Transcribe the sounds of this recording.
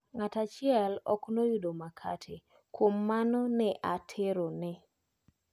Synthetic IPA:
ŋatat͡ʃɪɛlɔ̰knojʊdomakʰa̰tʰe | kwomːanɔnɛʔatʰeɾonɛ

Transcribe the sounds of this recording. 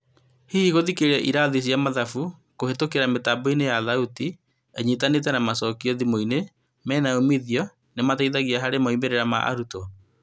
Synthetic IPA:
hiiɣoðikeɾɛʔiɾaðis̬jamaðafu | kohetokeɾametaboinejaðauti | eɲitanet̬ɛnamasɔːkiɔðimoine | mɛːnaomiðiɔ | nemataiðaɣiaɦaɾemaimeɾeɾama̰ʔa̰ɾuto

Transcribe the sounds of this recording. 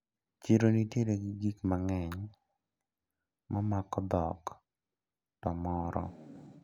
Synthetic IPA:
t͡ʃiɾonitjeɾeɡiɡikmaŋɛɲ | mamakɔd̪ɔ̰k | tɔmɔɾɔ̰

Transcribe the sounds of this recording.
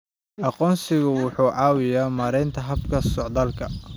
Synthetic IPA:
ʔɑqɔːnsɪɣʊwʊħuːʕɑːwɪjaːmaːɾɛjnt̪ʰɐɦɐbkʰɐsɔʕd̪ɐːlkʰɐ

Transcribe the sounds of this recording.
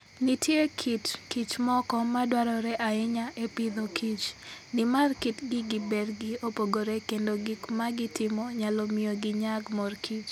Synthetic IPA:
nitʰjekʰitkit͡ʃmɔkɔmadwaɾɔɾɛʔaɪɲaʔepid̪okʰit͡ʃnɪmarkitɡɪɡɪbɛrɡɪopoɡoɾɛkendoɡikmaɡɪtɪmɔɲalɔmɪoɡɪɲaɡmɔrkʰit͡ʃ

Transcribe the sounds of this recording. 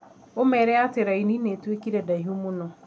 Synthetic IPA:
omɛɾɛatɪɾainineːtwekiɾɛdaɦomʊnɔ

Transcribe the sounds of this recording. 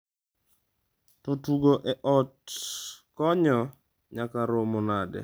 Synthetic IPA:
totuɡoʔɛʔɔt̚ | kɔɲɔ | ɲakaɾomonadɛ̰

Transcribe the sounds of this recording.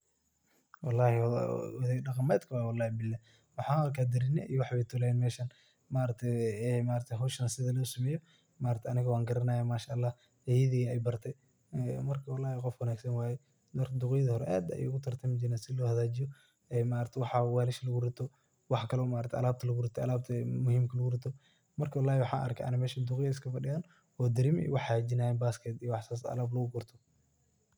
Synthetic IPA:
wɑlːɑːhɪwðɛɖɑqɑmɛjd̪kʰɐwawɑlːɑːhɪbɪlːa | wɑħɑːnɐkʰaːd̪ɐɾɪnɛʔijɔwɑħβɛjt̪ʰɔːlaɛnmɛːʃɐn | maːɾɐk̚t̪ʰɛɛmaːɾɐt̪ʰɛɦɔwʃɐnɐsɪðɐlɔːsɐmɛːjɔ | maːɾɐt̪ʰɛɐnɪɣɐwɑːŋɡɐɾɐnaːjaːmaːʃaʔlːɑːh | ɛjɐðiːɣɐɛjbɐrt̪ʰɛj | ɛmɐrkʰɐwɑlːɑːhɪqɔfwɑnaːɡsɐnwaːjɛ | d̪ɐrd̪ʊqɛjðɐhɔɾɛ̰ʔaːd̪ɐ̰j̰ʊɣʊt̪ʰɐrt̪ʰɐmɪd͡ʒɪnaːsɪlɔːhɐðaːd͡ʒɪjɔ | ɛːmaːɾɐɾt̪ʰɛwɑħɑwaːlɪʃɐlɐɣʊɾɪt̪ʰɔ | wɑħkʰɐlɔːmaːɾɐt̪ʰɛʔɐ̰laːb̚t̪ʰɐlɐɣʊɾɪt̪ʰɔɐlaːb̚t̪ʰɐmʊhiːmkʰɐlɐɣʊrɪt̪ʰɔ | mɐrkʰɐwɑlːaːhɪwɑħɑ̰ːʔɐ̰rkʰɛʔɐ̰nɪmɛːʃɐd̪ʊqɪjɐɪs̬kʰɐfɐɖɪɣaːn | ɔːd̪ɪɾimḭwɑħad͡ʒɪnaːjɛbaːskʰɛt̪ijwɑħsasɐ̰laːblɐɣʊɡʊrt̪ʰɔ̥

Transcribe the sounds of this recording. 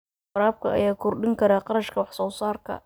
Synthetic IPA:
ɾaːb̚kʰɐʔɐ̰jaːkʰʊrɖɪŋkʰɐɾaːqɑɾɐʃkʰɐwɑħsɔːsaːrkʰɐ̰

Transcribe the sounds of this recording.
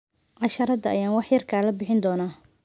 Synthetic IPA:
ʕɑʃɐɾɐd̪ɐʔɐjaːnwɑħjɐrkʰaːlɐbɪħɪnd̪ɔːnaː

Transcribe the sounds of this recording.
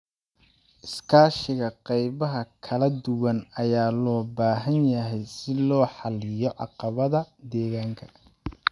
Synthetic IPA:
ʔɪskʰaːʃɪɣɐqɑjβɐɦɐkʰɐlɐd̪ʊwɐnɐjaːlɔːbaːɦɐnjɐɦɛjsɪlɔːħɑlɪjɔʕɑ̰qɑβɐðɐd̪ɛːɣaːŋkʰɐ̥

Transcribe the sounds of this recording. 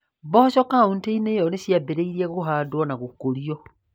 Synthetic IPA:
bɔʃɔkaunteineːjɔneɕjabeɾeiɾiɛɣoɦaːdwɔnaɣokoɾiɔ

